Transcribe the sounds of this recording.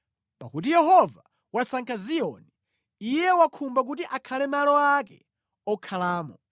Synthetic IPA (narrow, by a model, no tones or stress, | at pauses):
pa̰kut̬ijɛɦɔva | wasaŋkʰaziɔni | ijɛwakʰumbak̬utiʔakʰalɛmalɔakɛ̰ | ɔkʰalaːmɔ